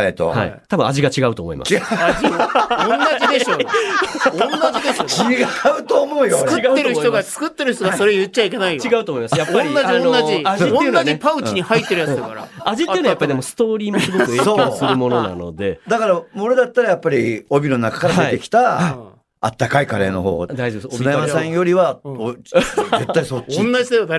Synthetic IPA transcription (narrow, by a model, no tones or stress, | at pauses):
et̪o̰ha̰ḭt̪abɯ̟̃aʑiɡat͡ɕiɡaɯ̟t̪oːmoḭma̰aiõnːaʑid̪e̞ɕo | õnːad͡ʑid̪eɕoiɡaɯ̟t̪oːmo̞ɯjoɨkɯɡaːeɾɯ̟çit̪oat͡sɨ̥kɯ̟t̪ːe̞ɾɯ̟çt̪oɡaso̞ɾe̞ojɯt̚t͡ɕaikʲenaijot͡ɕiɡaɯt̪oːmo̞imasjapːaɾinːad͡ʑiõnːaʑiaõenːaʑipaɯ̟t͡ɕiɲ̟ihait̪ːeɾjaɨd̪akaɾa̰aʑit̪ejɯnajapːaɾid̪emosɨ̥t̪o̞ːɾʲiːmosɨɡoosɨɾɯmo̞nona̰no̰d̪e̞d̪akaɾamoɾe̞d̪at̪ːaɾajapːaɾʲio̞bʲiɾonːakḁkaɾaet̪e̞kʲi̥t̪a | a̰t̪ːakaikaɾe̞ːno̞ho̞̰ːd̪ait͡sɨnaemasẽjo̞ɾʲiβaoze̞t̪ːaiso̞t͡ɕːoĩnːad͡ʑid̪eod̪a